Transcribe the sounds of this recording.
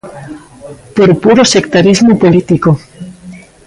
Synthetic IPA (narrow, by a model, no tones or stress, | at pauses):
poɾpuɾosekt̪aɾizmopolit̪iko